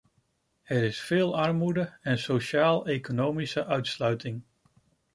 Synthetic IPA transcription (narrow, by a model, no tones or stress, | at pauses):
ɛɾɪsfɪːlˠɑɹmudəɛnsowʃaːlˠejkonowmisəʔœɥtslœɥtɪŋ